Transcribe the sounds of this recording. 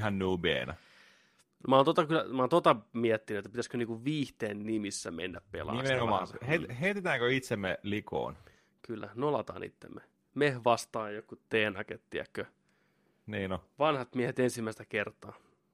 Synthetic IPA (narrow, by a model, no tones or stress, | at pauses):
hɑnnuːbḛːnæ̰ | mɑːnt̪ot̪ɑkylːæ̰mɑːnt̪ot̪ɑmiɛt̪ːinyet̪ːæpit̪æskøniːŋkuʋʋiːht̪eːnnimisːæmḛnːæppḛlɑ̰eeomɑsɑheheit̪et̪æːŋkøit̪semːeliko̰ːn | kylːæ̰nolɑt̪ɑ̰ːnḭt̪ːḛmːe | mehʋɑst̪ɑːjokːut̪eːnɑket̪t̪iæ̰kːø | niːnoʋɑnhɑt̪miɛhet̪ensimːæˑist̪ækert̪ˑɑː